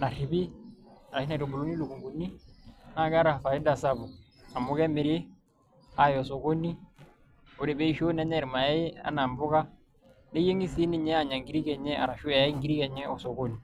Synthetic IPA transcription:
na˨ri˨bi˦a˨ɾa˨ʃi˦na˨ɾo˨bu˨lo˦ni˦lu˨ɡu˨ŋɡu˨ni˦na˦ɡɾa˨fa˨i˦da˦˨sa˦bu˨ | a˨mʊ˨kɛ˦mi˨ɾe˦ | a˨˦jɔ˨so˨ko˦ni˦ | o˨ɾe˨bɛ˦i˦ʃo˦nɛ˦ɲɛ˦˨ɾma˨ja˦a̰˦na˨mbʊ˦ka˦ | ne˦je˦ŋi˦si˦ni˦ɲɛ˦a˦˨ɲa˨ŋɡi˨ɾi˦kɛ˨ɲɛ˦a̰˨ɾa˨ʃu˦a˨ji˦ŋɡi˨ɾi˦kɛ˨ɲɛ˦ɔ˨so˨ko˦ni˨

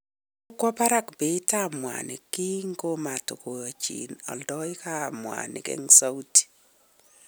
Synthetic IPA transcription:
o˦kwɔ˦pa˦ɾa˦kbe˨˦ta˦mwa̰nɪ̰˨ki˦ŋɡo˦ma˨to˨ko˨a˨t͡ʃḭ˨nɔ̰˨ldɔ˦ɪ˦ka˦˨mwa̰nɪ̰˨kɛ̰˦ŋsa˦wti̥˨

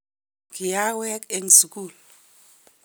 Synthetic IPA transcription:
ki˨ja˦wɛ˦ke˦ŋsu˨ku˦˨l

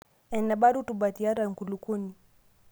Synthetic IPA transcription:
ɛ˨na˨ba˦ɾu˦tu˨ba˨ti˨a˦ɾa˨ŋ˨ku˨lu˨ku˦ni˨

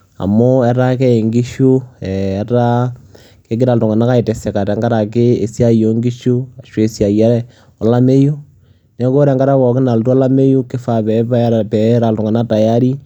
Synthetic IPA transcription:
a̰˨mʊ˦ɛ˦ɾa˦kɛ˦e˨ŋɡi˦ʃu˦ɛː˨ɾa˦ | ke˦k̬ɪ˦ɾa˨ltʊ˨ŋa˨na˦ka˦i˨tɛ˨sɛ˨ka˨tɛ˨ŋɡa˦ɾa˨k̬e˦e˨sja˦jo˨˦ŋɡi˦ʃu˦a˨ʃwe˨sja˨ja˦ɾɛ˦ | ɔ˨la˦me˦ju˦ | nɛ˨˦ko˦ɾɛ˨ŋɡa˦ɾa˦kɔ˨kɪ˦na˨ltu˦ɔ˦la˦me˦ju˦kɪ˦fa˨pɛ˨pa˦pɛ˨ɾa˨ltʊ˨ŋa˨na˦ta˨ja˦ɾi˦

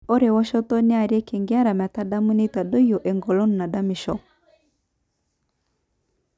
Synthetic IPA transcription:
o˦ɾe˨wɔ˦ʃɔ˦tɔ˦ne˦a˨ɾi˦ɛ˦ke˨ŋɡi˦a˦ɾa˨ma˨ta˦da˦mu˦ne˦ta˨do˦jɔ˨ʔɛ˨ŋɡɔ˨lo˦nu˨na˨da˦mi˨ʃɔ˦

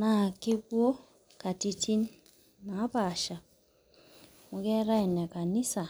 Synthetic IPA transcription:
na˦˨ke˦bwo˦ | ka˨ti˨tʰi˦n | ma˨˦pa˨ʃa˨ | mu˨kɛ˦ɾa˦ɛ˨n˨a˨ka˨ni˦sa˨

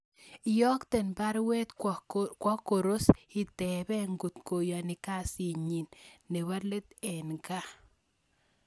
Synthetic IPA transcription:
jɔ˦kte˨npa˦ɾwɛ˦t̪kwa˦ko˨ɾo˦sɪ˨t̪ɛ˨bɛ˦ŋɡu˨t̪ko˨ja˨nɪ˨ka˦˨si˨ɲi˨nːe˨wa˦le˦t̪ɛ˨nɡa˦

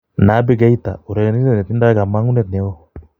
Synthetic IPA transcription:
na˨˦be˦ɡa˦i˦t̪a̰˨o˨ɾɛ˨ɛ˨ni˦i˦ɛ˨nɛ˨t̪i˦nda˦ɡa˨ma˦ŋu˦nɛ˦˨t̪nɛ˨˦ɔ˦

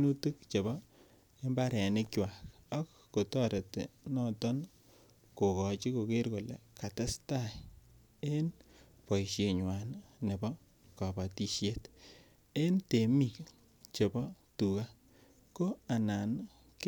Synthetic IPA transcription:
nu˦tu˦k̚t͡ʃe˨bɔ˦ | e˦mba˦ɾɛ˨nɪ˦kjwa˨kɔ˦kːo˨tɔ˦ɾe˨tḛ˨nɔ˦tɔ˦n | ko˨kɔ˨t͡ʃi˦ko˨ke˦ɾko˨lḛ˨ka˨te˦sta˦˨ | e˦n | pɔ˨jʃe˨ɲwa˨nne˨bɔ˦ | ka˨ba˨ti˨ʃje˦t | e˦nte˨mi˨k | t͡ʃe˨bɔ˦ | tu˨ka˦ | ko˦a˨na˨n | k

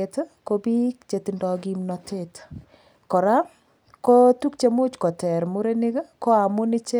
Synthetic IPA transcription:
e˨tko˦bi˦kt͡ʃe˨ti˨ndɔ˨ɡi˨mnɔ˨tʰe˦t | kɔ˨ɾa˦ | ko˦tu˦kt͡ʃe˨mʊ˦t͡ʃkɔ˨tɛ˨ɾmu˦ɾe˦nɪ˦kko˦a˨mʊ˦nɪ˦t͡ʃe˦

